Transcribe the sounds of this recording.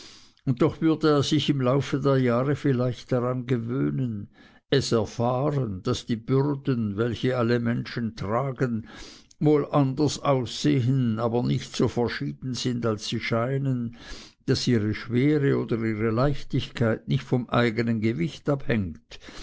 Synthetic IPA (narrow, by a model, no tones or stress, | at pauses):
ʊnt̚tːɔχv̥ʏɐdəeːɐz̥ɪçɪmlaʊfədeːɐjaːʁəfɪlaɪçtd̥aʁanɡəvøːnən | ɛsɛɐfaːʁənd̥asd̥iːb̥ʏʁdənvɛlçəaləmɛnʃəntʁ̥aːɡən | voːlʔandɐsaʊsːeːɦənaːbɐnɪçtsoːfɛɐʃiːd̥n̩zɪndalsːiːʃaɪnənd̥asiːʁəʃveːʁəoːdəʁiːʁəlaɪçtɪçkʰaɪtnɪçtfɔmʔa̰ɪɡənənɡəvɪçtaphɛŋt